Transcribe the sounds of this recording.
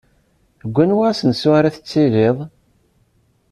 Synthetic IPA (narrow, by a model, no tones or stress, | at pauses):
ɡʷːænwasənsʊɾæθə̥t͡sːilɪðˤ